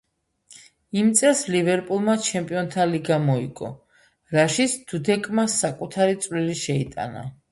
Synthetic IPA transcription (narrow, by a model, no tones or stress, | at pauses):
imt̪sʼɛslivɛɾpʼulˠmat͡ʃʰɛmpʼiɔnt̪ʰaliɡamɔḭɡʼɔ̰ | ɾaʃisʰd̪̥ud̪ɛkʼmasakʼut̪ʰaɾit̪sʼvliliʃɛit̪ʼa̰na̰